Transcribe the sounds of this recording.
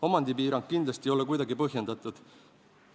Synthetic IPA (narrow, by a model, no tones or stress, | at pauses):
o̞mɑnd̪̥ipiːɾɑŋk̚kind̪lɑst̪io̞lekujd̪̥ɑɡipɤɦje̞nd̪̥ɑt̪ˑud̪̥